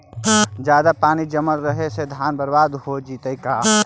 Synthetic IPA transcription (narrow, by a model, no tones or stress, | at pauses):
d͡ʒjaːd̪apaːnid͡ʒəməlɾəɦesed̪ʱaːnbəɾbaːd̪ɦod͡ʒiːt̪əikaː